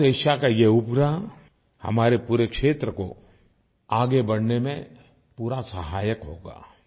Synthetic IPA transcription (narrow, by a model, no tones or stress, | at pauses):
eːʃakajeʊpɡɾa | hɐ̰maːɾepuːɾekʃeːt̪ɾəko̰ | aːɡebɐɽnemẽ | puːɾasəɦaːjəkɦo̰ːɡa̰ː